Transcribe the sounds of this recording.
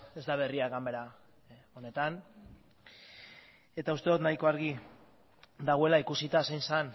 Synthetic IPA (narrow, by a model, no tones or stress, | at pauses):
e̞zd̪aβ̞e̞riaɣambe̞ɾa | o̞ne̞t̪an | e̞t̪aust̪e̞ðot̪najko̞aɾɣi | d̪aɣoelaikusit̪asajnsan